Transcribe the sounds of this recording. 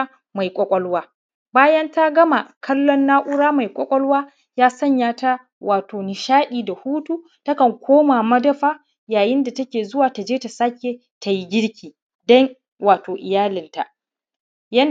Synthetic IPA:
ma˨jkʷʼɔ˦kʷʼɔ˦lwaː˦ | baː˦jɐ˦nta˦ɡɐ˦ma˨kʰɐ˦lːɔ˦nːaː˦ʔʊ˦ɽaː˦ma˨jkʷʼɔ˦kʷʼɔ˦lwaː˦ | jaː˦sɐ˦˨ɲjaː˦ta˦ | wʔaː˨toː˨nɪ˨ʃaː˦ʔʲiː˨da˨huː˦tuː˦ | tɐ˦kɐ˨ŋkʷʰoː˦maː˨mɐ˦dɐ˦ɸaː˦ | jaː˨jɪ˦nda˨tɐ˦kʲeː˨zʊ˦waː˨ta˨d͡ʒeː˦ta˨sa˦kʲeː˨ | ta˨ji˦ɡʲɪ˦ɽkʲʰiː˨ | dɐ˦ŋ | waː˨toː˨ʔɪ˨jaː˦lɪ˨nta˨ʔ | jɐ˦n

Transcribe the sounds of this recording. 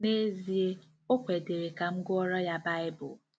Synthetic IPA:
ne˦zi˨e˦ | o˦kʷe˨de˨ɾe˨ka˨m̩˦ɡʊ˦ɔ˦ɾɔ˦ja˦ba˦ɪ˦bʊ˨

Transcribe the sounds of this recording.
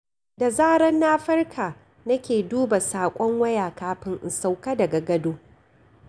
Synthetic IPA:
da˨zaː˦ɾɐ˦nːaː˦ɸɐ˦rkʰaː˨ | nɐ˦kʲeː˨duː˦ba˨saː˨kʷʼɔ˦ŋwɐ˦jaː˨kaː˦ɸɪ˦ŋʔɪ˨sa˦˨wka˦dɐ˨ɡa˨ɡɐ˦doː˦

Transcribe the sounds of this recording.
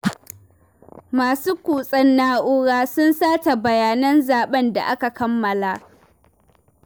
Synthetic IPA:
maː˨suː˦kʷuː˨sʼɐ˦nːaː˦ʔʊ˦ɽaː˦sʊ˦nsaː˦ta˨bɐ˨jaː˨nɐ˦nzaː˨ɓɐ˦nda̰˨ʔa˦ka˨kɐ˦mːɐ˨la˨ʔ

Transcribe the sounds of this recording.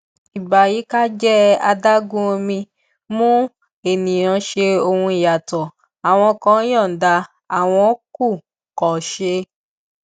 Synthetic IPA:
i˨ba˨ji˨˦ka˦d͡ʒɛ˦a˧da˦ɡũ˦o˧mĩ˧ | mũ˦ | e˨nĩ˨ã˨˧ʃe˧o˧hũ˧i˨ja˨tɔ˨ | a˨w̃ɔ̃˧kɔ̃˨˦jɔ̃˦˨da˧ | a˨w̃ɔ̃˧˦ku˦˨ | kɔ˨ʃe˧

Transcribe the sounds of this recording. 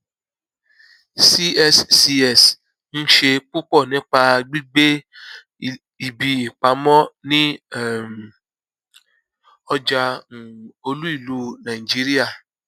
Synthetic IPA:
si˦ɛ˦ssi˧ɛ˦˨s | n̩˦ʃe˧k͡pu˦k͡pɔ˦˨nĩ˦k͡pa˧ɡ͡bi˦ɡ͡be˦ | i˨bi˧i˨k͡pa˨˦mɔ̃˦nĩ˦˨m˨ | ɔ˧d͡ʒa˧˨ | o˧lu˦i˦˨lu˨˦nã˨i˨d͡ʒi˦ɾi˦a˦˨

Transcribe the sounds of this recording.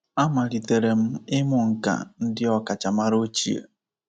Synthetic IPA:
a˦ma˨ɾi˨te˨ɾe˨m̩˦ɪ˦mʊ˨ŋ̩˨ka̰˨n̩˦dɪ˦ɔ˦ka˨t͡ʃa˨ma˦ɾo˦t͡ʃḭ˦ḛ˨

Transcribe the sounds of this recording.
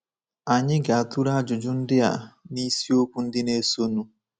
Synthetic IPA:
a˨ɲɪ˦ɡa˨a˨tu˦ɾa˦d͡ʒʊ˨d͡ʒʊ˦n̩˦dɪ˦a̰˨ni˦si˦o˦kʷu˦n̩˦dɪ˦ne˦so˦nu˦

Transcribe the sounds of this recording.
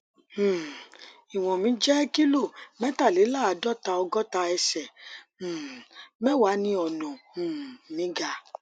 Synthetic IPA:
i˨w̃ɔ̃˨mĩ˨˦d͡ʒɛ˦ki˦lo˦˨mɛ̃˦ta˦˨le˨˦la˦˨a˨˧˦dɔ˦˨ta˧ɔ˧ɡɔ˦ta˧ɛ˧sɛ̃˨ | mɛ̃˦wa˨˦nĩ˦ɔ˨nɔ̃˨mĩ˨˦ɡa˧˦

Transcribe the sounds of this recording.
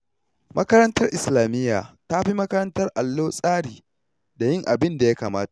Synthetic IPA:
mʔɐ˦kɐ˦ɾɐ˦ntɐ˦rʔɪ˨slaː˨mɪ˦jːaː˨ta˦ɸi˦mɐ˦kɐ˦ɾɐ˦ntɐ˦rʔa˨lːoː˦sʼaː˦ɽiː˨ | da˨jɪ˦ŋʔa˨bɪ˦nda˨ja˦kaː˨maː˦ta˨ʔ

